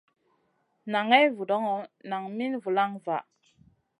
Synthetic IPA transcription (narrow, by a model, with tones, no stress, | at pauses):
na˨ŋe˦vu˨do˦ŋo˨na˨ŋmi˦nvu˨la˦ŋva˨ʔ